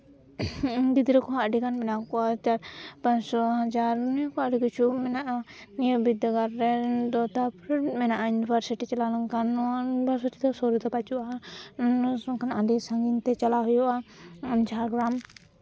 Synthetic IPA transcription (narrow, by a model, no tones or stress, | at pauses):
ɡid̪ɾɛkɔɦaʔɖikanmɛnakɔat͡ʃaɾpãɲsɔɦad͡ʒaɾnukɔaɖikit͡ʃʰumɛnaʔa | nijɔbid̪ɔɡaɾːɛd̪ɔt̪apʰɾmɛnaʔajunibʱaɾsiʈit͡ʃalalaŋkannibʱaɾsiʈid̪ɔsɔɾut̪ɔpat͡ʃuʔa | ɔŋkanʔaɖisãŋɡint̪ɛt͡ʃalaɦɔjɔʔaɲt͡ʃaɾɡɾam